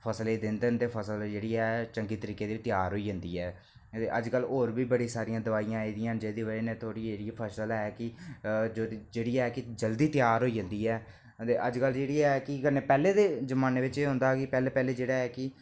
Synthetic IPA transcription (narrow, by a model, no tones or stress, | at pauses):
pʰəsleːd̪ɪnd̪end̪eːpʰəsəld͡ʒeːɽiːɛːt͡ʃəŋɡiːt̪əɾiːkeːd̪eːt̪jaːɾɦoːiːd͡ʒə̃nd̪iːɛː | t̪eːʔəd͡ʒkəlːɦoːɾbiːbəɽiːsaːɾijãːd̪əʋaːijãːeːd̪ɪjãːnd͡ʒeːd̪eːʋəɾeːnẽːt̪ʰoːɽiːd͡ʒeːɽiaːpʰəsəlɛːkɪd͡ʒod͡ʒeːɽiːɛːkɪd͡ʒəld̪iːt̪ɪjaːɾɦoːiːd͡ʒə̃nd̪iːɛː | t̪eːʔəd͡ʒkəld͡ʒeːɽiːɛːkɪkənːeːpɛːleːd̪eːd͡ʒəmaːneːʋɪt͡ʃeːɦʊ̃nd̪aːkɪpɛːleːpɛːleːd͡ʒeːɽaːɛːkɪ